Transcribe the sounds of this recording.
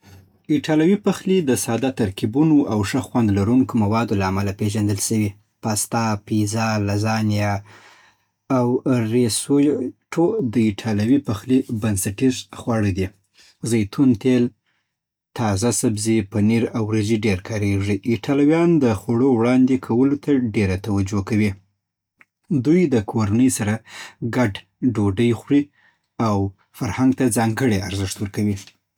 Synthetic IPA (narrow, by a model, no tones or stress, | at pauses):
ɪʈɑlawipaxlid̪əsɑd̪at̪aɾkibunoʔawʂəxwand̪laɾunkomawɑd̪olaːmalapeʒand̪əlʃəwi | past̪ɑpizɑlazɑnija | wɾesojʈʰod̪əiʈʰɑlawipaxlibansaʈizxwaɽəd̪i | zajt̪ʰunt̪el | t̪ɑzasabzipaniɾawɾəziɖeɾkʰɑɾeʐiʔːʈʰɑlwjɑnd̪əxaɽowɽɑnd̪ekʰawəlot̪ʰaɖeɾat̪awad͡ʒokawi | d̪ujd̪əkʰoɾanəjsaɾaɡaɖ | ɖoɖəjxʷɽi | aw | faɾhaŋɡ̚t̪ad͡zɑŋɡəɽeaɾzɪʂt̪wəɾkawi